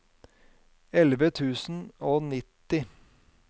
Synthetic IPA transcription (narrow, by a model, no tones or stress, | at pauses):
ɛlʋət̪ʰʉːsn̩oːnɪt̪ɪ